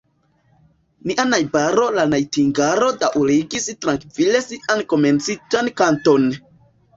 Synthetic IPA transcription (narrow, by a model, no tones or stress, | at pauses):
niʔanajbaɾo̞lanajtiŋɡaɾo̞daʔuɾiɡistɾaŋkvile̞siʔanko̞me̞nt͡sid͡ʒankanton